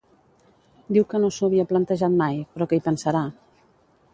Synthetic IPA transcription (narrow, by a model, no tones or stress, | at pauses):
d̪iwkənosuβiəplənt̪əʒat̪majpɾɔkəipənsəɾa